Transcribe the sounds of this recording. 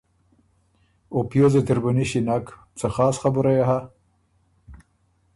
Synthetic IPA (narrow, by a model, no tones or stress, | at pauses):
opjozet̪ɪɾbuniɕinak | t͡səxɑːsχabuɾajaɦa